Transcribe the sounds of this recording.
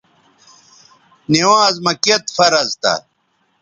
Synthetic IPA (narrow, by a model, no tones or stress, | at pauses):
niwãːzmɐket̪fɐɾɐzt̪ɐ̰